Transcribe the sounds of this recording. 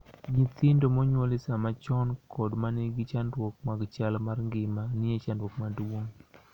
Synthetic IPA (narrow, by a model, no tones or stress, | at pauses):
ɲit̪ɪndomɔɲwolɪsamat͡ʃɔnkʰɔdmanɪɡɪt͡ʃandwokmaɡt͡ʃalmarŋɡɪmanɪet͡ʃandwokmadwoŋ